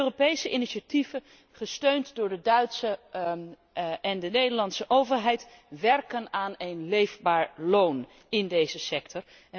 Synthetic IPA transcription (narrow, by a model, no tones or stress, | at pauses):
øropejsəʔiniʃativə | χəstøɥntdʊːɹdədœɥtsə | ɛndənejdəlɑntsəʔowvəɹɦɛjt | ʋɛrkənaːnejnlejvbaːɹlown | ɪndejzəsɛktɔɹ